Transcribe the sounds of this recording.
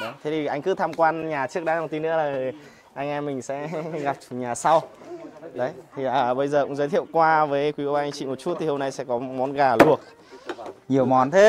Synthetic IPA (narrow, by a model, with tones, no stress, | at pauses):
ɗə˨˦t̪ʰe˨˦t̪ʰi˨˩ʔa˧jŋ̟kɨ˨˦t̪ʰaː˧mkwaː˧nɲaː˨˩t͡ɕɨ˦˥k̚ɗaː˨˦za˨˩nt̪i˧nʔɨ̰˧˥əlaː˨˩˨ | ʔa˧ŋʔɛ˧mːï˨˩ŋ̟sɛ̰˧˥ɣa˨˩p̚t͡ɕu˨˩ɲaː˨˩sa˧w | ɗə˨˦jt̪ʰi˨˩aəː˨˩ɓə˧jzəː˨˩kʊ̰˧˥ŋ͡mzə˨˦t̪ʰḭ˧˨ə˨wkwaː˧vəː˨˦jkwi˨˦ko˧˦waː˧ʔa˧ŋ̟t͡ɕḭ˧˨mo˨˩t̚t͡ɕu˦˥t̪̚i˨˩ho˧mna˧jsɛ̰˧˥kɔ˨˦mɔ˨˦nɣaː˨˩lu˨˩ək̚ | ɲi˨˩əwmɔ˨˦nt̪ʰe˦˥